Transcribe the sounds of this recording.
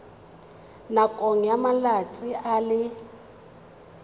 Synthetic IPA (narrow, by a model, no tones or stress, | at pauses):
nakʼoŋ̩jamalat͡sʼialɪ